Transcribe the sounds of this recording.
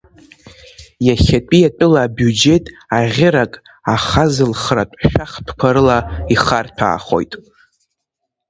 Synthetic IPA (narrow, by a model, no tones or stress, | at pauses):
jaχʲatʼijatʷʼɨlaːbjud͡ʒe̞tʼ | aʁʲɪɾakʼ | aχazɨlχra̰tʷʼʃᶣaχtʰkʷʰaɾɨlaiχartʷʰa̰ːχo̞̰jtʼ